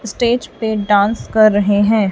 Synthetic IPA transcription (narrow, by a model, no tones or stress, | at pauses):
ɪsʈeːd͡ʒpeɖãːnskɐɾːɐɦeɦɛ̃ː